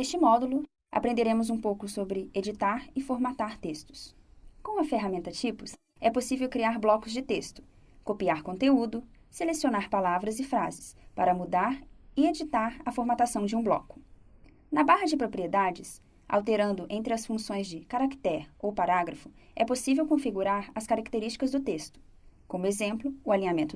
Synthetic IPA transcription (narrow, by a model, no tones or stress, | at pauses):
est͡ʃɪmɔd̪ulʊ | a̰pɾẽnd̪eɾẽmʊzũpowkʊsobɾɪed͡ʒit̪aɾɪfoɾmat̪aɾt̪est̪ʊ̥s | kõw̃ɐfeɦamẽnt̪ɐt͡ʃipʊs | ɛposivewkɾiaɾblɔkʊzd͡ʒɪt̪est̪ʊ̥ | kopiaɾkõnt̪eud̪ʊ | selesionaɾpalavɾɐzɪfɾazɪspaɾɐmud̪aɾɪed͡ʒit̪aɾɐfoɾmat̪asɐ̃w̃d͡ʒɪũblɔ̰kʊ̥ | nɐbaɦɐd͡ʒɪpɾopɾied̪ad͡ʒɪs | a̰wt̪eɾɐ̃nd̪ʊʔẽnt̪ɾɪɐsfũsõj̃zd͡ʒɪkaɾakt̪ɛɾowpaɾaɡɾɐfʊɛposivewkõfiɡuɾaɾɐskaɾakt̪eɾist͡ʃi̥kɐzd̪ʊt̪est̪ʊ̥ | kõmʊezẽmplʊːalĩɲamẽnt̪ʊ